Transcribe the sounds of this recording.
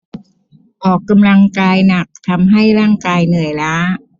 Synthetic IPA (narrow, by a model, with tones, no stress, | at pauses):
ʔɔː˨˩kːa˧mla˧ŋkaː˧jna˨˩k̚t̪ʰa˧mɦa˥˩jɾaː˥˩ŋkaː˧jnɯ˨˩əjlaː˦˥